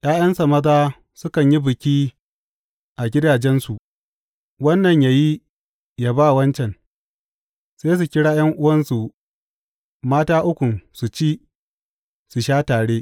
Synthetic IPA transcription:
jʲʔaː˦j̰ɐ˦nsa˨mɐ˦daː˦ | sʊ˦kɐ˨ɲji˦bɪ˨kʲiː˦ | ʔa˨ɡʲɪ˦daː˨d͡ʒɛ˦nsu˨ʔ | wɐ˦nːɐ˨ɲjaː˨ji˦ | jaː˦baː˦˨wɐ˦nt͡ʃɛ˨ŋ | seː˦s̬u˨kʲɪ˦ɽaː˦j̰ɐ˦ŋʔʊ˦wɐ˦nsu˨ | maː˦taː˦ʔʊ˦kʷʊ˨nsu˨t͡ʃiː˦ | su˨ʃaː˦taː˨ɽeː˦

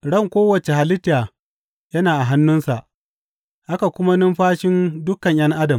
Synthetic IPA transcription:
ɽɐ˦˨ŋkʷoː˦wɐ˨t͡ʃe˨ha˨lɪ˦tːaː˨ | jɐ˦naː˨ʔa˨ɦa˦nːʊ˦nsa˨ʔ | ʔa˦ka˨kʷʊ˦ma˦nɪ˦mɸaː˦ʃɪ˦ndʊ˦kɐ˨ɲj̰ɐ˦ŋʔa˦dɐ˨m

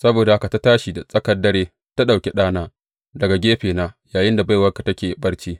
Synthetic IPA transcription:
sɐ˦boː˨da˨ha˦ka˨ta˦taː˦ʃi˨da˨sʼɐ˦kɐ˨dːɐ˦ɾeː˦ | ta˦ɗa˨wkʲe˦ɗaː˦naː˦ | dɐ˨ɡa˨ɡʲeː˦ɸeː˨naː˦jaː˨jɪ˦nda˨ba˦jwɐ˦ka˨tɐ˦kʲeː˨bɐ˦rt͡ʃiː˦

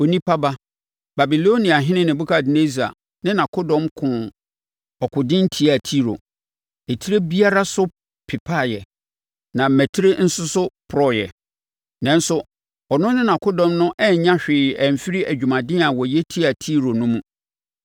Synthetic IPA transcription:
o˨nĩ˦pʰa˦ba˦ | ba˨bi˨lo˦nĩ˨a˨ɦɪ̃˦nɪ̃˦nɪ̃˨bu˦kʰa˦˨dɪ˨ne˦zi˨a̰˨ | nɪ̃˦nã˨kʰʊ˦dɔ̃˦mkʰʊ̃˨ | ɔ˨kʰʊ˨dɪ̃˦n̩˦tʰi˦a˨tʰi˦ɾo̰˨ | e˨tʰi˦ɾe˦bi˦a˦ɾa˦sʊ˦ | pʰɪ˨pʰa˦˨jɛ˨ | nã˨mæ˨tʰi˦ɾe˦n̩˦sʊ˦sʊ˦pʰʊ˨ɾɔ˦jɛ̰˨ | nɛ̃˦n˦sʊ˦ | ɔ˨nʊ̃˦nɪ̃˦nã˨kʰʊ˦dɔ̃˦mnʊ̃˦ʔɛ˦˨˦ɲã˦ɕᶣɪː˨ɛ˨m̩˨fi˦ɾi˦ʔæ˨d͡ʑᶣu˨mã˨dɪ̃˦a˨wɔ˨jɛ˦tʰi˦a˨tʰi˦ɾo˨nʊ̃˦mũ˦

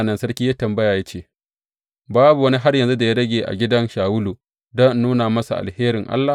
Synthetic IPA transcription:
nɐ˨nsɐ˦ɽkʲiː˦jaː˦tɐ˨mbɐ˦jaː˨ja˦t͡ʃeː˦˨ | baː˦bu˨wɐ˦ni˦ɦa˦rjɐ˨nzu˦da˨ja˦ɽɐ˦ɡʲeː˨ʔa̰˨ɡʲɪ˦dɐ˦nʃaː˨wʊ˦luː˨ | dɔ˦n˦nːuː˦naː˨mɐ˦sa˨ʔa̰˨lheː˦ɾɪ˨ŋʔa̰˦lːa˨

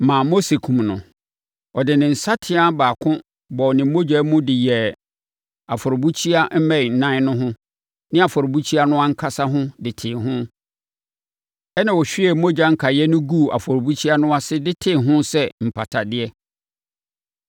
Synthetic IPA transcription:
mã˨mo˦se˨kʰũ˨mnʊ̰̃˨ | ɔ˨dɪ˨nɪ̃˨n̩˨sa˦tʰɪ˦a˦baː˨kʰʊ̃˦ | bɔ˨ɔ˨nɪ̃˨˦mo˦d͡ʑᶣa˨˦mʊ̃˦dɪ˨jɛ˨ | a˨fɔ˨ɾɔ˨bu˦t͡ɕʰi˦a˦m̩˦mɛ̃˦ɪ˨n̩˨nã˦nʊ̃˦ɦʊ̃˦ | nɪ̃˦a˨fɔ˨ɾbu˦t͡ɕʰi˦a˦nʊ̃˦a˦ŋ̩˦kʰa˦sa˦ɦʊ̃˦dɪ˨tʰɪ˨ɦʊ̃˦ | ɛ˦nã˨wɔ˨ɕᶣi˦ɛ˨˦mo˦d͡ʑᶣa˦ŋ̩˦kʰa˨jɛ˦nʊ̃˦ɡu˦˨a̰˨fɔ˨ɾbu˦t͡ɕʰi˦a˦nʊ̃˦a˦sɪ˦dɪ˦tʰɪ˨ɦʊ̃˦sɛ˦m̩˨pʰa˨tʰa˨dɪ˦ɛ˦

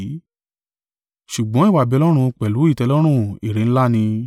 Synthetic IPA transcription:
ʃu˨ɡ͡bɔ̃˨˦i˦˨wa˨bɛ˧lɔ˦ɾ̃ũ˧k͡pɛ˨lu˨˦i˦˨tɛ˧lɔ˦ɾ̃ũ˦i˨ɾẽ˨n̩˦la˦nĩ˧

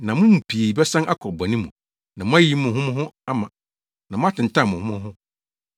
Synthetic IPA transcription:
nã˨mʊ̃˦m̩˨pʰi˨e˨i˨bɛ˦sã˦nʔa˦kʰɔ˨ba˨nĩ˦mṵ̃˨ | nã˨mʊ̃˦a˦ji˦mʊ̃˨ɦʊ̃˦mʊ̃˦ɦʊ̃˦a˦mã˨ | nã˨mʊ̃˦a˦tʰɪ̃˨n˨tʰã˦˨mʊ̃˨hʊ̃˦mʊ̃˦ɦʊ̃˦

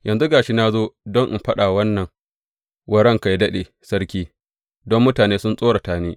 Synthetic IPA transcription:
jʔɐ˨nzu˦ɡaː˨ʃi˦naː˦zoː˦dɔ˦ŋʔɪ̰˨mɸɐ˦ɗaː˨wɐ˦nːɐ˨ŋ | wʔɐ˦ɽɐ˦ŋka˨jdɐ˦ɗeː˨ | sɐ˦ɾkʲiː˦ | dɔ˦mːʊ˦taː˨neː˦sʊ˦nsʼoː˦ɽa˨taː˨˦niː˦

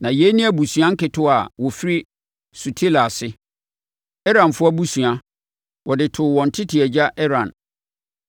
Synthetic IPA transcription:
nã˨je˦nĩ˦æ˨bu˨su˨ã˦ŋ̩˦kɪ˨tʰʊ˦a˨wɔ˨fi˦ɾi˦ | su˨tʰe˦la˨sɪ˦ | ɛ˦ɾã˨nfʊ˦a˦bu˦su˨ã˦ | wʔɔ˨dɪ˨tʰʊ˨wɔ̃˨n̩˨tʰɪ˦tʰɪ˨ɛ˨d͡ʑa˦ʔɛ˦ɾã˨n

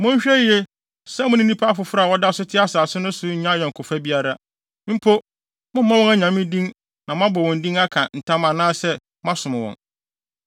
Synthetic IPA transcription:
mʊ̃˦ɲ˦ɕᶣɛ˦je˦ | sɛ̃˦mʊ̃˦nĩ˦nĩ˦pʰa˦fʊ˨fɾa˦a˨wɔ˦da˦sʊ˦tʰɪ˦a˦saː˨sʊ˦nʊ̃˦sʊ˦ɲ̩˨ɲã˦˨jɛ˨ŋ̩˨kʰʊ˨fa˦bi˦a˨ɾa˦ | m̩˦pʰo˦ | mʊ̃˦mã˦wɔ̃˦a˦ɲã˨m˦mɪ̃˦dĩ˦ŋ | nã˨m˦ã˦bɔ˨wɔ̃˨n̩˨dĩ˦ŋa˦kʰã˨n̩˨tʰã˦mã˨nãː˦sɛ˦ | mã˦sʊ̃˨mɪ̃˨wɔ̰̃˨n

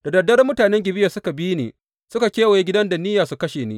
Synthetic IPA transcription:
d̥a˨dɐ˨dɐ˦rmʊ˦taː˨nɛ˦ŋɡʲɪ˨bɪ˦ja˨sʊ˦ka˨bi˦nḛː˨ | sʊ˦ka˨kʲeː˦wa˨je˦ɡʲɪ˦dɐ˦nda˨nɪ˦jaː˨su˨kɐ˦ʃeː˨nḭː˦

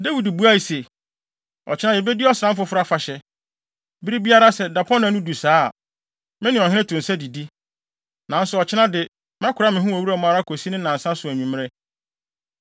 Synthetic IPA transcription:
da˦wi˨dbu˨˦a˦i˨se˨ | ɔ˨t͡ɕʰɪ˦nã˦dɪ˨bɛ˦dɪ˦ɔ˦sã˦m˦fʊ˦fʊ˦ɾa˨fa˨ɕɛ˦ | bi˦ɾi˦bi˦a˦ɾa˦sɛ˨da˨pʰɔ̃˦nã˨nʊ̃˦du˨sa̰ː˦˨ | mɪ̃˦nɪ̃˨ɔ˨ɦɪ̃˦nɛ̃˦tʰʊ̃˨n̩˨sɛ˦di˨di˦ | nã˨n̩˦sʊ˨ɔ˨t͡ɕʰɪ˦nã˦dɪ˨ | mã˦kʰʊ˨ɾa˦mɪ̃˨ɦʊ̃˦æ˨wu˦ɾa˨mã˦a˨ɾa˦kʰo˨si˦nɪ̃˦nã˨n̩˨sã˦sʊ˨æ˨ɲᶣũ˨m̃˦ɾɛ˦

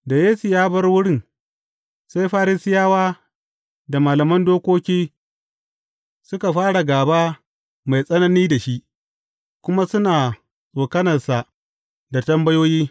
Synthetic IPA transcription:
da˨jeː˦sʊ˨jaː˦bɐ˦rwʊ˦ɽɪ˦˨n | sa˦jɸaː˦ɾɪ˦sɪ˦jaː˦waː˦ | da˨maː˨lɐ˨mɐ˦ndoː˦kʷoː˦kʲiː˦ | sʊ˦ka˨ɸaː˦ɽa˨ɡaː˨baː˦ | ma˨jsʼɐ˦nɐ˦niː˦da˨ʃi˦ʔ | kʷʊ˦ma˦sʊ˦naː˨ | sʼoː˨kɐ˦nɐ˨rsa˨ | da˨tɐ˦mbɐ˦joː˦jiː˦

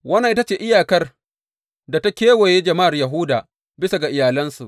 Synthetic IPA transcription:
wɐ˦nːa˨ʔɪ˦ta˦t͡ʃeː˨ʔɪ˦jaː˨kɐ˦r | da˨ta˦kʲeː˦wo˨je˦d͡ʒɐ˨ma˦ʔa˨rjɐ˨ɦʊː˦daː˨ | bɪ˦sa˨ɡa˨ʔɪ˨jaː˨lɐ˦nsu˨ʔ

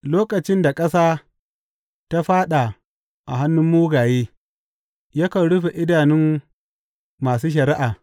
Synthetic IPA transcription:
loː˦kʼɐ˨t͡ʃɪ˦nda˨kʼɐ˦saː˦ | ta˦ɸaː˦ɗa˨ | ʔa̰˨ɦa˦nːʊ˦mːuː˦ɡaː˨jeː˦ | jɐ˦kɐ˨ɽʊ˦ɸe˨ʔɪ˦daː˨nɪ˦m | aː˨suː˦ʃ̬ɐ˨ɾɪ˦ʔaː˨

